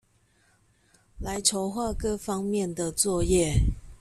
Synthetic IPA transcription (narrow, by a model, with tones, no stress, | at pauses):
la˨˦ɪʈ͡ʂʰo˧˥ʊxwa˥˨kɤ˥fɑ˥ŋmjɛ˥˨nd̪ə˨t͡swɔ˥˧jɛ˥˨